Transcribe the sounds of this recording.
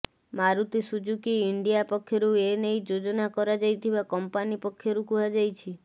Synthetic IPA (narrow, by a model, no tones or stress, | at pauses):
maɾut̪isud͡ʒukiːɳɖijapɔkʰːjɔɾuenejd͡ʒod͡ʒɔnakɔɾad͡ʒajt̪ʰibakɔmpanipɔkʰːjɔɾukuɦad͡ʒajt͡ʃʰi